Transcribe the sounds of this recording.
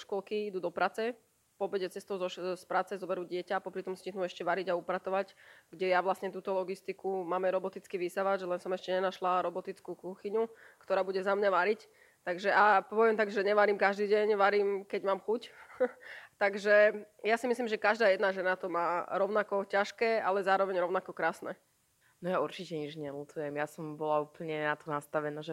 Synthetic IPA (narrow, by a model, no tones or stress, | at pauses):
ʃkɔlkiid̪uːd̪ɔpɾʔaːt͡sɛ | pɔbɛɟɛt͡sɛst̪ɔʊzɔʃspɾaːt͡sɛzɔbɛɾuːɟɪɛcaːpɔpɾit̪ɔmsciɦnuːɛʃcɛʋaɾiɟaupɾat̪ɔʋacɡɟɛjaʋlasɲɛt̪uːt̪ɔlɔɡist̪ikumaːmɛɾɔbɔt̪it͡skiʋisaʋaʒɛlɛnsɔmɛʃcɛɲɛnaʃlaɾɔbɔt̪it͡skuːkuxiɲukt̪ɔɾaːbuɟɛzamɲaʋaɾic | t̪aɡʒɛʔapɔpɔʋɪɛmt̪aɡʒɛɲɛʋaɾiːmkaʒd̪iːɟɛɲʋaɾiːmkɛɟmaːmxuc | t̪aɡʒɛjasimis̬liːmʒɛkaʒd̪aːjɛd̪naʒɛnat̪ɔmaːɾɔʊnakɔcaʃkɛːalɛzaːɾɔʋɛɲɾɔʊnakɔkɾaːsnɛ̰ː | nɔjauɾt͡ʃicɛɲid͡ʒɲɛlut̪ujɛmjasɔmbɔlauːpl̩ɲɛnat̪ɔnast̪aʋɛnaʒɛ